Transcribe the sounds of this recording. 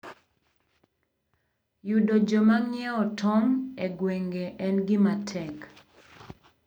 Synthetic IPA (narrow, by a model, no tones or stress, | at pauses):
judod͡ʒɔmaŋjɛɔtʰɔmeɡweŋɡeʔɛnɡɪmatʰɛk